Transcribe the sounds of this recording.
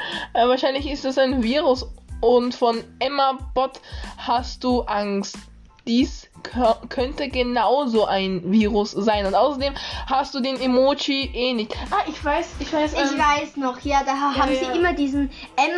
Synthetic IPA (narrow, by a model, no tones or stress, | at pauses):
ʔɛvaːɐʃaɪnlɪçɪstd̥asaɪnviːʁʊsʔʊntfɔnʔɛmab̥ɔthastd̥uːʔaŋst | d̥iːs | kʰœntəɡənaʊzoːʔaɪnviːʁʊsz̥aɪnʊntʔaʊsɐdeːmhastd̥uːdeːnemoːt͡ʃiʔeːnɪçtʔaɪçv̥aɪsɪçv̥aɪsɪçvaɪsnɔχjaːdaːɦaːbm̩ziːʔɪmɐdiːzn̩ | ʔɛm